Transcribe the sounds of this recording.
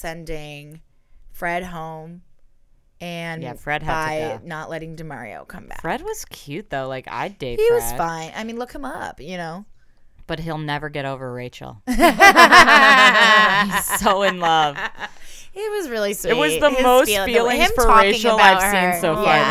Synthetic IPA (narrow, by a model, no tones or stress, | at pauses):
sɛ̃ndɪ̃ŋ | fɹɛd̚ɦõʊ̃m | ɨ̃njæfɹɛd̚hbaɪnəʔlɛɾɪ̃ŋdɨmɑ̰ɹḭo̰ʊkʰʌ̰̃mbæ̰kfɹɛd̚wʌz̥kʰj̥ʉt̪̚ðoʊlaɪka̰ɪdɪhit̚wʌz̥fãɪ̃na̰ɪmĩnlʊkhə̃mʌpjɨnoʊ | b̥ʌt̚ɦilˠnɛvə˞ɡɛɾoʊvə˞ɹeɪt͡ʃl̩ˠ | soʊɨ̃nlʌv̥ | ɪt̚wʌzɹɪlˠisɨt̚wʌzðəmoʊsfilˠɪ̃filˠɪ̃ŋɪ̃mftə˞ɔɹeɪɪ̃ŋt͡ʃl̩ˠaɪ̥sĩnsoʊjæ